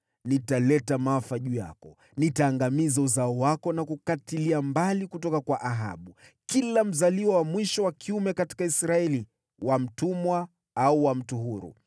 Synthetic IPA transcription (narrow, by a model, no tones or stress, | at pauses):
nitalɛtamaafaʄuːja̰kɔ | nitaːŋɡamizauzaɔwakɔnakukatiliambalikutɔkakwaʔaɦa̰ɓu | kilam̩zaliwɔwamwiʃɔwakʰiumɛkati̥kaisɾaɛli | wam̩tumwa | auwam̩tuɦuɾṵ